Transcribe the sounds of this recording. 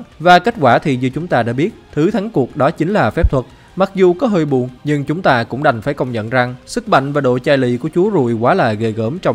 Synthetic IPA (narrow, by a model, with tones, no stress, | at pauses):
vaː˨˩ke˦˥t̚kwaː˧˩t̪ʰi˨˩zɨ˧t͡ɕʊ˨˦ŋ͡mt̪aː˧ɗa̰ː˧˥ɓi˦˥ət̚t̪ʰɨ˨˦t̪ʰa˨˦ŋku˨˩ək̚ɗɔ˨˦t͡ɕï˨˦ŋ̟laː˨˩fɛ˦˥p̚t̪ʰwə˨˩t̚ | ma˨˩k̚zu˨˩kɔ˨˦ɦəː˧jɓu˨˩ənɲɨ˧ŋt͡ɕʊ˨˦ŋ͡mt̪aː˧kʊ̰˧˥ŋ͡mɗa˨˩jŋ̟faː˧˩jkə˧wŋ͡mɲə̰˧˨nza˨˩ŋsɨ˦˥k̚ma̰˧˨ŋ̟vaː˨˩ɗo̰˧˨t͡ɕaː˧jlḭ˧˨ku˧˩ət͡ɕu˨˦əzṵ˧˩˨jkwaː˨˦laː˨˩ɣe˨˩ɣəː˧˩mt͡ɕɔ˧ŋ͡m